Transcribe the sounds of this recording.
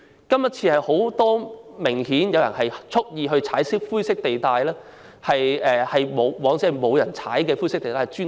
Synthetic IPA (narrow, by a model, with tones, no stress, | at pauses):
kɐ˥mjɐ˥t̚t͡sʰiː˧hɐ˨jho˨˥wt̪ɔː˥mɪ˨˩ŋhiː˨˥njɐ˨˧wjɐ˨˩nɦɐ˨jt͡sʰʊ˥k̚jiː˧ɦɵ˧ɥt͡sʰaː˨˥jsɪ˥k̚fuː˥jsɪ˥k̚t̪e˨jt̪aː˨˧jlɛː˥ | hɐ˨jɛː˨˧hɐ˨jmo˨˧wwɔː˨˥ŋt͡siː˨˥ɐ˨˩jmo˨˧wjɐ˨˩nt͡sʰa̰ː˨˥jkɛː˧fuː˥sɪ˥k̚t̪e˨jt̪aː˨˧t͡ʃyː˥